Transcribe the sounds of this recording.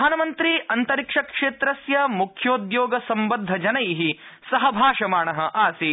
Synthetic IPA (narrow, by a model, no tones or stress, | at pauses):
aːnɐmɐnt̪ɾiɐnt̪ɐɾikʂɐkʂeːt̪ɾɐsjɐmukʰjoːd̪joːɡɐsɐmbɐnd̪ʱːɐd͡ʒɐnɐjiɦisɐɦɐbʱaːʂɐmaːɳɐɦɐʔaːsi